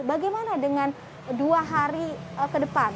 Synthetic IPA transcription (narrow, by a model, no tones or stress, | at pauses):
baɡajmanadəŋan | duaɦaɾikədəpan